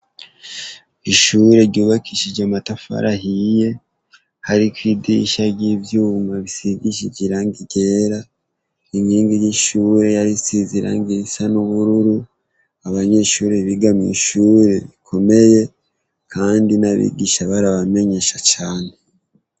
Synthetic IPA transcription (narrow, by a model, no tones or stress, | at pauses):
iʃuɾe̞ɾɟuːβakiʃid͡ʒɟamatafa̰ɾʔahije̞ | haɾikwidḭʃaɾɟivjuːmaβisiɡiʃiɟiɾaŋɡiɟe̞ɾa | iŋɡiːŋɡijiʃuːɾe̞jaɾisiziɾa̰ŋɡisanuβuɾuɾu | aβaɲe̞ʃuːɾeβiɡamḭːʃuːɾe̞βikʰo̞me̞je̞ | kʰaːndinaβḭɡiːʃaβaɾaβame̞ɲe̞ʃat͡ʃaːne̞